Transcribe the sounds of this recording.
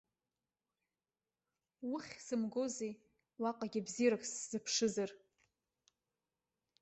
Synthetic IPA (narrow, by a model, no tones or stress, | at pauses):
wʊχʲsɨmɡozej | waqʼaɡʲɪbziɾakʼsz̥ɨpʰʂɨzar